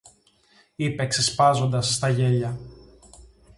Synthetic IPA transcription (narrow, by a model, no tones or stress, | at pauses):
ipe̞ksespɐzo̞nd̪ɐsːt̪ɐʝe̞ʎɐ